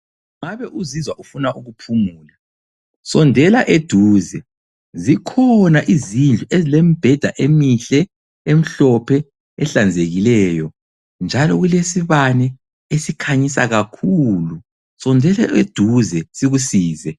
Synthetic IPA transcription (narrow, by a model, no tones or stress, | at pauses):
ŋaβɛʔuzizwaʔufunaʔuɣupʰumuːla | sɔndʱɛlaʔed̥ʱuːzɛ | zikʰɔnaʔizind͡ɮʱuʔezilem̩b̥ʱɛd̥ʱaʔemiɬɛ | em̩ɬɔpʰɛ | ɛɬand͡zʱeɣilɛːjɔ | nd͡ʒʱalɔɣulesiβanɛ | esikʰaɲisa̰ɣakʰulu | sɔndʱɛlaed̥ʱuzɛsiɣusiːzɛ